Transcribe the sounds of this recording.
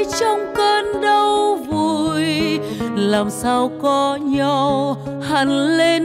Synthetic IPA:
t͡ɕɔ˧wŋ͡mkəː˧nɗə˧wvu˧˩˨j | laː˨˩msaː˧wkɔ˨˦ɲɔ˧˩ | ha˨˩ŋle˧n

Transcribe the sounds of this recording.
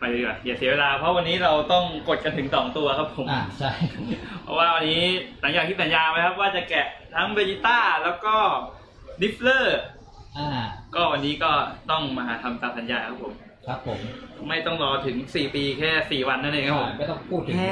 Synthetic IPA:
pa˧kɔ˨˩njaː˨˩si˨˩˦weː˧laː˧pʰɔ˦˥wa˧nːiː˦˥ɾa˧wt̪ɔ˥˩ŋko˨˩t̪̚ka˧nt̪ʰɯ˩˦ŋsɔː˩˦ŋt̪u˧ɐkʰa˦˥pʰːo˨˩˦mːʰ˧˩a˥˩pʰɔ̰˦˥waː˥˩wa˧nːiː˦˥sa˨˩˦ŋjaː˨˩k̪ʰiː˥˩sa˩˦njaː˧pa˧jkʰa˦˥p̚waː˥˩t͡ɕa˨˩kɛ˨˩t̪ʰa˦˥ŋbe˧li˦˧˥t̪aː˥˩lɛː˦˥wkɔː˥˩ | ni˦˥p̚lɤː˥˩ | ʔaː˧˩kɔː˥˩wa˧nːiː˦˥kɔː˥˩t̪ɔ˥˩ŋma˧ɦa̰ː˩˦t̪ʰa˧mt̪aː˧˩msa˩˦njaː˧kʰa˦˥pʰːo˨˩˦m | kʰa˦˥pʰːo˨˩˦mma˥˩jt̪ɔ˥˩ŋɾɔː˧t̪ʰɯ˩˦ŋsiː˨˩piː˧kʰɛː˥˩siː˨˩wa˧nːa˥˩˨lɛ˧˩kʰa˦˥pʰːma˥˩jt̪ɔ˥˩ŋpʰuː˥˩t̪ʰːɯ˨˩

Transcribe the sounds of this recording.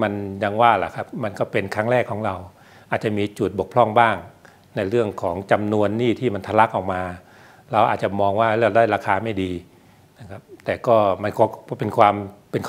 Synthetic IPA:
ma˧nja˧ŋwaː˥˩la̰˨˩kʰa˦˥p̚ma˧nkɔː˥˩pe˧nkʰɾa˦˥˩ŋɾɛː˥˩kʰːɔː˩˦ŋɾa˧w | ʔaː˨˩t̪̚t͡ɕa˨˩miː˧t͡ɕu˨˩t̪̚bo˨˩kpʰlɔ˥˩ŋbaː˥˩ŋ | na˧jɾɯ˥˩əŋkʰɔː˩˦ŋt͡ɕa˧mnu˧ənːiː˥˩t̪ʰiː˥˩ma˧nt̪ʰa˧la˦˥k̚ʔa˨˩w̚maː˧ | ɾa˧wʔa̰ː˨˩t̪̚t͡ɕa˨˩mɔː˧ŋwaː˥˩lɛ˦˧˩daː˥˩jɾaː˧kʰaː˧ma˥˩jdiː˧ | na˦˥˩kʰa˦˥p̚t̪ɛː˨˩kɔː˥˩ma˧nkʰɔː˧˩˥pe˧nkʰwaː˧mpe˧nkʰ

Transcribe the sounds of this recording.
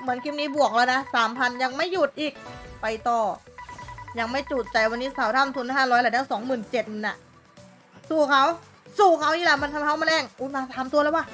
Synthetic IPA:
mɯ˩˦ənkʰi˦˥mniː˦˥˩bu˨˩ək̚lɛː˧˩wna˦˥saː˨˩˦mpʰa˧nja˧ŋma˥˩jːu˨˩t̪̚ʔiː˨˩k̚pa˧jt̪ɔː˨˩ | ja˧ŋma˥˩jt͡ɕuː˨˩t̪̚t͡ɕa˨˩jwa˧nːiː˦˥˩saː˨˩˦wt̪ʰa˧˥˩mt̪ʰu˧n˧aː˥˩ɾɔː˦˥jlɛː˧˩˦t̪ʰaː˧˥ŋsɔː˩˦ŋmɯː˨˩nt͡ɕe˨˩t̪̚mɯ˧˩nʔa̰˧˩ | suː˧˩kʰa˦˥˩w | suː˧˩kʰa˦˥wniː˧˥˩la˧˩ma˧˥˨nkʰa˧kʰa˦˥˩wmaː˧lɛː˧˩ŋʔuː˧˩maː˧saː˨˦mt̪u˧lːwaː˧˩

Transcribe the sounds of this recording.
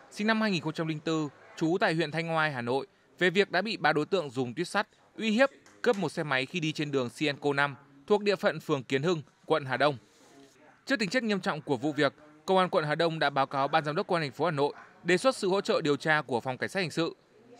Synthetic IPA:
sï˧ŋna˧mhaː˧jŋi˨˩nxə˧ŋ͡mt͡ɕa˧mli˧ŋ̟t̪ɨ˧t͡ɕu˨˦t̪a̰ː˧˨jhwḭ˧˨ənt̪ʰa˧jŋ̟hwaː˧jɦaː˨˩no̰˧˨j | ve˨˩vi˨˩ək̚ɗa̰ː˧˥ɓḭ˧˨ɓaː˨˧˩ɗo˨˦jt̪ɨ̰˧˨əŋzʊ˨˩ŋ͡mt̪wi˦˥ət̚sa˦˥t̚ | ʔwi˧hi˦˥əp̚kə˦˥p̚mo˨˩t̚sɛ˧ma˨˦jxi˧ɗi˧t͡ɕe˧nɗɨ˨˩əŋsi˧ʔɛ˧nko˧na˧m | t̪ʰək̚ɗḭ˧˨əfə̰˧˨nfɨ˨˩əŋki˨˦nhɨ˧ŋ | kwə̰˧˨nɦaː˨˩ɗə˧wŋ͡m | t͡ɕɨ˦˥k̚t̪ï˨˦ŋt͡ɕa˦˥k̚ɲi˧əmt͡ɕɔ̰˧˨wŋ͡mku˧˩əvṵ˧˨vi˨˩ək̚kːə˧wʔaː˧nkwə̰˧˨nhaː˨˩ɗə˧wŋ͡mɗa̰ː˧˥ɓaː˨˦wkaː˨˦wɓaː˧nzaː˧˩mɗə˦˥kə˧waː˧˩˨ŋ̟fo˨˦haː˨˩no̰˧˨jɗe˨˩swə˦˥t̚sɨ̰˧˨ho̰˧˥t͡ɕə̰ː˧˨ɗi˨˩əwt͡ɕaː˧ku˧˩əfɔ˨˩wŋ͡mka˧˩ŋ̟saː˦˥hi˨˩ŋsɨ̰˧˨

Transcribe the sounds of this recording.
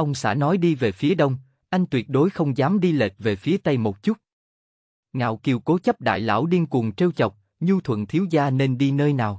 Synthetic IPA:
ʔə˧wŋ͡msɛ̰˧˥nɔ˨˦jɗi˧ve˨˩fi˨˦əɗə˧wŋ͡m | ʔa˧jŋ̟t̪wi˨˩ət̚ɗo˨˦jxə˧wŋ͡mzaː˨˦mɗi˧lḛ˨˩t̚ve˨˩fi˨˦ət̪ə˧jmo˨˩t̚t͡ɕu˦˥t̚ | ŋa̰ː˧˨wki˧əwko˨˦t͡ɕə˦˥p̚ɗa̰ː˧˨jla̰ː˧˥˩wɗi˧ənku˨˩ŋt͡ɕe˧wt͡ɕə˨˩wk͡p̚ | ɲu˧t̪ʰwə̰˧˨nt̪ʰi˨˦əwzaː˧ne˧nɗi˧nəː˧jnaː˨˩w

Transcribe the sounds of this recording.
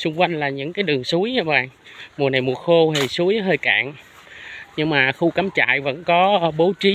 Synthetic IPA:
sʊ˧ŋ͡mkwa˧jŋ̟laː˨˩ɲɨ̰˧˥ŋkaː˨˦jɗɨ˨˩əŋsu˨˦əjɲa˧ɓa̰ː˧˨ŋmu˨˩əna˨˩jmu˨˩əxo˧he˨˩su˨˦əjɦəː˧jka̰ː˧˨ŋ | ɲɨ˧ŋmaː˨˩xu˧kaː˨˦mt͡ɕa̰ː˧˨jvə̰˧˥nkɔ˨˦˧ɓo˨˦t͡ɕi˨˦

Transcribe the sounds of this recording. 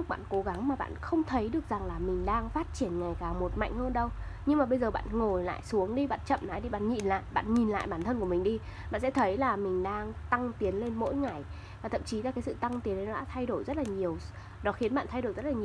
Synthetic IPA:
k̚ɓa̰ː˧˨nko˨˦ɣa˨˦ŋmaː˨˩ɓa̰ː˧˨nxə˧wŋ͡mt̪ʰə˨˦jɗɨ˨˩ək̚za˨˩ŋlaː˨˩mï˨˩ŋ̟ɗaː˧ŋfaː˦˥t̚t͡ɕi˧˩ənŋa˨˩jkaː˨˩mo˨˩t̚ma̰˧˨jŋ̟həː˧nɗə˧w | ɲɨ˧ŋmaː˨˩ɓə˧jzəː˨˩ɓa̰ː˧˨nŋo˨˩jla̰ː˧˨jsu˨˦əŋɗi˧ɓa̰ː˧˨nt͡ɕə̰˧˨mnaː˨˦jɗi˧ɓa̰ː˧˨nɲḭ˧˨˩nla̰ː˧˨jɓa̰ː˧˨nɲi˨˩nla̰ː˧˨jɓaː˧˩nt̪ʰə˧nku˧˩əmï˨˩ŋ̟ɗi˧ | ɓa̰ː˧˨nsɛ̰˧˥t̪ʰə˨˦jlaː˨˩mï˨˩ŋ̟ɗaː˧ŋt̪a˧ŋt̪i˨˦ənle˧nmo̰˧˥jŋa˨˩j | vaː˨˩t̪ʰə̰˧˨mt͡ɕi˨˦laː˨˩kaː˨˦sɨ̰˧˨t̪a˧ŋt̪i˨˦nɗə˨˦nɔ˨˧˦a̰ː˧˥t̪ʰa˧jɗo˧˩jzə˦˥t̚laː˨˩ɲi˨˩əw | ɗɔ˨˦xi˨˦ənɓa̰ː˧˨nt̪ʰa˧jɗo˧˩jzə˦˥t̚laː˨˩ɲi˨

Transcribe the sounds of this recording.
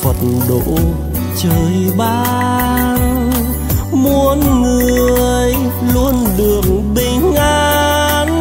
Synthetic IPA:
fə˨˩t̚nɗo̰˧˨ | t͡ɕəː˨˩jɓaː˧n | mu˧ənŋɨ˨˩əəj | lu˧ənɗɨ˨˩əŋɓï˧˩ŋ̟ʔa˧ | n

